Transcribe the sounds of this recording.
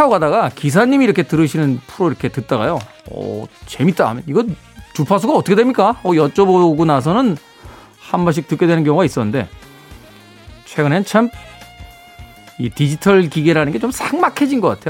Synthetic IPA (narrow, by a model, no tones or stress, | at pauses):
aoɡadaɡakis̬ʰaɲimiɾʌkʰe̞tɯɾɯɕʰinɯnpʰuɾoiɾʌkʰe̞tɯt̚t͈aɡa̰jo | ʌ̰t͡ɕe̞mit͈aɦa̰mjʌniɡʌn | t͡ɕupʰas̬ʰuɡaʌt͈ʰʌkʰedwemɲik͈aʌjʌt͡ɕ͈ʌboɡonas̬ʰʌnɯn | hambʌɕ̬ik̚t͈ɯk͈edwe̞nɯnkjʌŋoɡais͈ʌnɯnde̞ | t͡ɕʰwe̞ɡɯne̞nɯnt͡ɕʰam | itid͡ʑitʰʌɭkiɡeɾanɯnɡe̞t͡ɕomsʰaŋmakʰe̞d͡ʑinɡʌk͈a̰tʰe̞jo